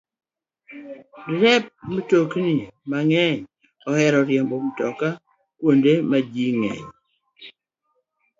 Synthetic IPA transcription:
dɾɛp̚mtoknimaŋɛɲ | ɔhɛɾɔɾjɛmbɔm̩tɔka | kwondemad͡ʒiŋɛ̰ɲ

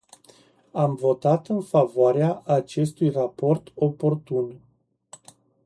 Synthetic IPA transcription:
amvo̞t̪at̪ɨnfavoaɾeaʔːt͡ʃe̞st̪ujrapo̞rt̪o̞po̞rt̪un

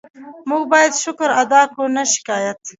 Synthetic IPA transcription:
muɡbɑjad̪ʃʊkɾad̪ɑkonaʃɪ̥kɑːjat̪

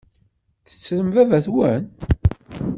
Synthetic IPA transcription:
θə̥t͡sːɾəmvævæθwən

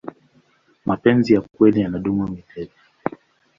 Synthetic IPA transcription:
mapɛnzijakwɛlijanaɗumumitʰɛti

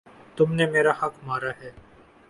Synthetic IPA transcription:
t̪ʊmnemeːɾahɐkmaːɾaɦɛː

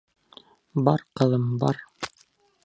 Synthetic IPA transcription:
bɑɾqɤ̆lˠɤmbɑ̰ɾ

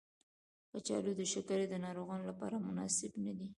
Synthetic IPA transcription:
pət͡ʃɑ̰lod̪əʃakaɾed̪ənɑɾoɣɑnolapɑ̰ɾamʊnɑ̰sɪbnad̪i

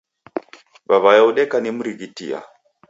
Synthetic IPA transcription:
baβajauɗɛkanim̩ɾiɣitḭa̰

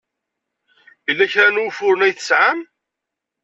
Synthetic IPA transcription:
əlːæçɾænufʊɾənæjθəsʕam

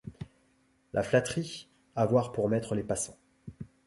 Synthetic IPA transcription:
lʔa̰flat̪χi | avwaʁpuʁmɛt̪χəlepasɑ̃

